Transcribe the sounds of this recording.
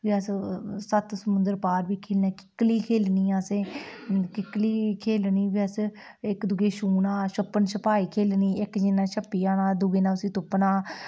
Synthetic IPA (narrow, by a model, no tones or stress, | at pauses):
ʋiːəssət̪səmʊnd̪əɾpaːɾʋiːkʰeːlnɛ̃ːkɪ̥kliːkʰeːlniːãːseːkɪkliːkʰeːlniːʋiːəs | ɪkd̪ʊɡeːʃuːnãːʃəpːənʃəpaːiːkʰeːlniːɪkd͡ʒɪnãːʃəpːiːaːnãːd̪ʊɡeːnãːʊsĩːt̪ʊpnãː